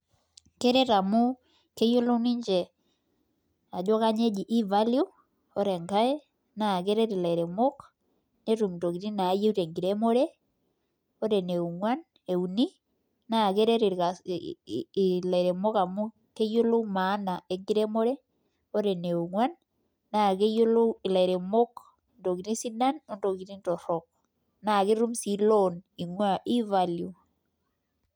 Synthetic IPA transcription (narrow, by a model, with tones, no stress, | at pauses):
ke˦ɾɛ˦ɾa˨mu˦ | ke˦jo˦lo˦ni˦ɲd͡ʒɛ˨ | a˨d͡ʒɔ˦ka˦ɲe˦d͡ʒi˨ʔi˦va˦lju˦ | ɔ˦ɾɛ˨ŋka˦e˦ | na˨ke˦ɾɛ˦ɾi˨la˨ɾe˨mo˦k | ne˦ɾu˨mto˨ki˨ɾi˦na˨˦je˦u˦ɾe˨ŋɡi˨ɾe˦mo˦ɾe˦ | ɔ˦ɾɛ˨ne˨u˨ŋwa˦n | e˨u˨ni˦ | na˨ke˦ɾɛ˦ɾi˨ɾka˨ | la˨iɾe˨mo˦ka˨mu˦ | ke˦jo˦lo˦ma˨˦na˨e˨ŋɡi˦ɾe˦mo˦ɾɛ˦ | o˦ɾɛ˨ne˨u˨ŋwa˦nː | a˨ɣe˦jo˦lo˦i˨la˨i˨ɾe˨mo˦k | ndo˨ɣi˨ɾi˦si˦na˦no˦ndo˨ɣi˨ɾi˦ntɔ˨ɾɔk̚ | na˨ɣe˦ɾu˦msi˦loni˨ŋwa˦ʔi˦valju